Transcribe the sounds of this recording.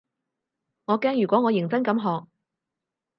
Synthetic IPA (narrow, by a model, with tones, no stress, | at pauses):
ŋɔː˨˧kɛː˥ŋjyː˨˩kʷɔː˨˥ŋɔː˨˧jɪ˨˩ŋt͡sɐ˥nkɐ˨˥mɦɔː˨k̚